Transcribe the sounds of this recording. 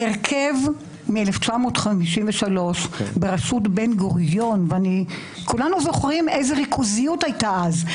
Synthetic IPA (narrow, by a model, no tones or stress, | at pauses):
eʁkʰev | mieleft͡ʃamo̞ːtχamiʃimveʃalo̞ʃbeʁasutbenɡoʁjo̞nveani | kʰulanuzoχʁimʔejzeʁikʰuzijutajtaʔaz